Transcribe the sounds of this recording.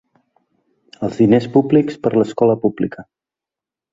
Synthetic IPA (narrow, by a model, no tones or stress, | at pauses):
əlˠzðinespublikspəɾləskɔləpublikə